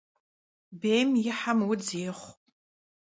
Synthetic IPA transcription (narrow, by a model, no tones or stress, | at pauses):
bejmjɪħamwʊd͡zeːχʷʼ